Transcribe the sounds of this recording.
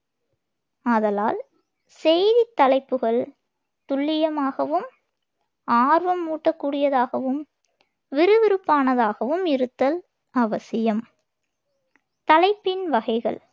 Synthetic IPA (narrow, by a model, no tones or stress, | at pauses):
ɐðɐlaːl | sɛjðit̪ːɐlɐɪpːɯɣɐɭ | t̪ʊɭːɪjɐmaːɣɐʋɯm | aːɾʋɐmːuːʈːɐkːuːɽɪjɐðaːɣɐʋɯm | ʋɪɾɯʋɪɾɯpːaːnɐðaːɣɐʋɯmɪɾɯt̪ːɐl | ɐʋɐsɪjɐm | t̪ɐlɐɪpːɪnʋɐɣɐɪɣɐ̰ɭ